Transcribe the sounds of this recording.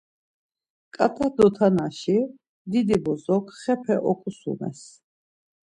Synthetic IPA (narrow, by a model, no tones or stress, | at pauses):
kʼat̪ʼad̪ɔt̪ʰanaʃi | d̪id̪ibɔzɔkʰχɛpʰɛʔɔkʼusṵnɛ̰s